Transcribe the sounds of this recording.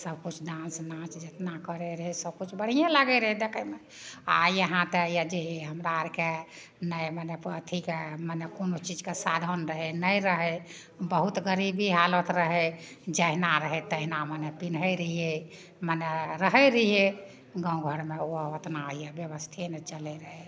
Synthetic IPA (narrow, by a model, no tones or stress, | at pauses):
səbkut͡ʃʰdãsnãt͡ʃd͡ʒet̪nakəɾɛɾəɦɛsəb̚kut͡ʃʰbəɽ̤ijãlaɡɛɾəɦɛd̪ekʰəme | a̰jəɦãt̪ejad͡ʒeeɦəmɾaɾke | nəjmənepət̪ʰikemənekonot͡ʃid͡ʒkesad̪ʱənɾəɦɛnəjɾəɦɛ | bəɦut̪ɡəɾibʱiɦalət̪ɾəɦɛ | d͡ʒəɦnaɾəɦɛt̪əɦinamənepinɦəjɾəie | məneɾəɦɛɾəɦije | ɡə̃ũɡʱəɽmeoət̪naəjebjəβəst̪ʰenɛt͡ʃəlɛɾəɦɛ